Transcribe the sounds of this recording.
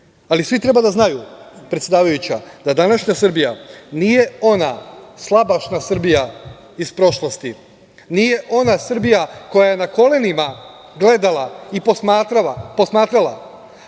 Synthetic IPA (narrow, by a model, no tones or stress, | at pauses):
alisʋit̪ɾe̞bad̪aznajupɾet̪sʲjed̪aːʋajut͡ɕad̪ad̪anaʃɲasr̩bijanije̞o̞naslˠabaʃnasr̩bija | ispɾo̞ʃlˠost̪i | nije̞ʔo̞nasr̩bijako̞jaje̞nako̞le̞nima | ɡle̞d̪alaipomat̪ɾaapo̞smaːt̪ɾala